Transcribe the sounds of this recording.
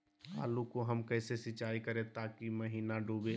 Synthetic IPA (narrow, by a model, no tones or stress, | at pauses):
a̰ːlukoɦəmkəɪsesɪt͡ʃaikəɾet̪akiməɦiːnaɖʱube